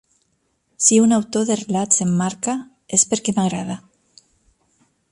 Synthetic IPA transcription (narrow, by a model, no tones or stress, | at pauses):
siunawt̪oðerelatsemːaɾka | espeɾkemaɣɾaða